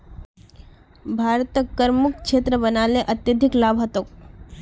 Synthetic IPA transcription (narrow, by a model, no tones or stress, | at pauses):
bʱaɾt̪əkːəɾmukʂʰet̪ɾəbənaleʔət̪jəd̪ʱiklabʱɦət̪oːk